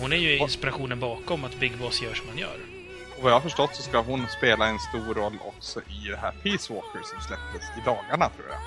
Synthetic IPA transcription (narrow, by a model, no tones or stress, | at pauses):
hʊnæɾjɵɪɪnspɪɾaɧuːnənbɑːkɔmat̪bɪɡːbɔsjœːʂɔmhanjœ̰ːɾ | ɔvajahaɾfəʂʈɔt̪ːsɔskaɦʊnspeːlaɛnst̪uːɾɔlːɔ̰ksɔʔɪd̪ɛɦæ̰ːɾpʰiːswoːkəɾsɔmslɛp̚t̪əsɪd̪ɑːɡaɳat̪ʰɾṵːja̰